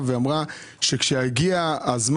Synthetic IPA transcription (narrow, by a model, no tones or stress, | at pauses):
veamʁa | ʃe̞kʃeaɡiaːzm